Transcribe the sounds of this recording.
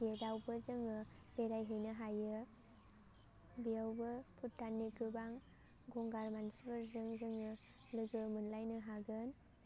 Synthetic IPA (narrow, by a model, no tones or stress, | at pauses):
ɡedawbɯzɯŋɯ | beɾajɦɯjnɯɦajɯ | bijawbɯpʰut̚tːanːikɯbaŋ | ɡɔŋɡaɾmansibɯɾzɯŋzɯŋɯ | lɯɡɯmɯnlajnɯɦaɡɯn